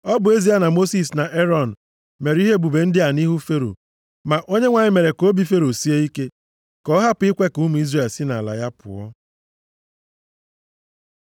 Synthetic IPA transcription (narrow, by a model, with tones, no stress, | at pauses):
ɔ˦bʊ˨e˦zi˦a˦na˨mo˦si˨sna˨ʔe˦ɾɔ˦˨n̩˨ | me˨ɾi˦ɦe˦bu˨be˨n̩˦dɪ˦a˨ni˦ɦu˦fe˦ɾo̰˨ | ma˨ʔo˦ɲe˦ŋʷa˨ɲɪ˦me˨ɾe˨ko˦bi˨fe˦ɾo˨si˦e˦i˦ke˦ | kɔ˦ɦa˦pʊ˨˦i˦kʷe˦ku˦mu˨˦i˦zre˨lsɪ˦na̰˨la̰˨ja˦pʊ̰˨ɔ̰˦